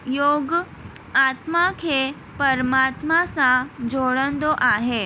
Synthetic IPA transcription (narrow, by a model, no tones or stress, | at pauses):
joːɡ | aːt̪makʰe | pəɾmaːt̪masãd͡ʒoːɽə̃nd̪oʔaːɦe